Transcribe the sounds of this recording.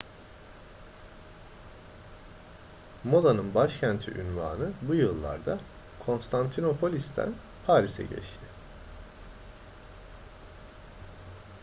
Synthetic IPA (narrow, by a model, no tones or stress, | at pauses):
mo̞d̪anɯnbaʃcʰænt̪ʰḭʔynva̰ːnɯbujɯlˠːa̰ɾd̪a | kʰo̞nst̪ʰant̪ʰino̞pʰo̞lʲisd̪ʰæ̰n | pʰaːɾisɛ̰ɟɛ̰t͡ʃt̪ʰɪ